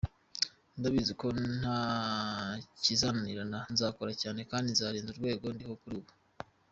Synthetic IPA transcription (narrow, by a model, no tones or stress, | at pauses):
ndaβiziko̞n̥ha | cizananiɾananzaːkoɾacaːne̞kaːndinzaːɾiːnzuɾɡwe̞ːɡo̞ndiho̞kuɾuːβo